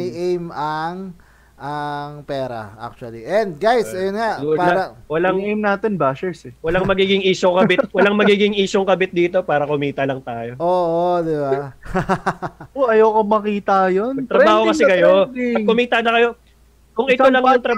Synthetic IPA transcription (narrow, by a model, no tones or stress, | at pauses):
jʔejmɐŋ | ʔɐŋpɛːɾɐ̰ʔa̰k̚t͡ʃʊɐliʔɛnd̪̚ɡajsɐjonŋaʔd̪ʊpːawɐlaŋejmnaːt̪ɛnbaːʃɛɹsɛwɐlaŋmɐɡiːɡɪŋiːʃokɐbɪt̪̚wɐlaŋmɐɡiːɡɪŋʔiːʃoŋkɐbɪt̪̚d̪iːt̪o̞paːɾɐkʊmiːt̪ɐlɐŋt̪aːjo̞ʔoːʔod̪ɪba | oɐjowkomɐkiːt̪ɐjonɐɡ̚t̪ɾɐbaːhokɐsɛkɐjoɐkːʊmiːt̪ɐnɐkɐjo̞ | kʊŋʔɪt̪olɐŋjoŋt̪ɾɐ